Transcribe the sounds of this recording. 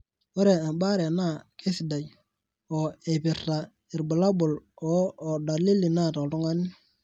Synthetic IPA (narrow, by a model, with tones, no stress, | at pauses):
wo˦ɾe˨a˨ba˦ɾe˨na˦˨ke˦si˨da˨j | ɔ˨e˨pi˨ɾta˨ | i˨ɾba˨la˦bʊ˨lɔː˨da˨li˦li˨na˦˨ta˨tu˦ŋa˦ni˦